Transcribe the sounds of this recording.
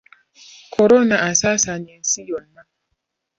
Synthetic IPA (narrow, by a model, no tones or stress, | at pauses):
kʰɔɾɔnaasasaɲɛnsijɔnːa